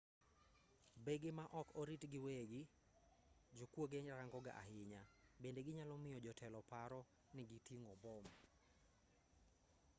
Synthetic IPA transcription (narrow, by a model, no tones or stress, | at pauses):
beɡɪmaʔɔkoɾitɡɪweɡɪ | d͡ʒokwoɡeɲɾaŋɡɔɡa̰ʔa̰hɪɲabendeɡɪɲalɔmɪjɔd͡ʒɔtʰɛlɔpaɾɔ | nɪɡitiŋɔbɔm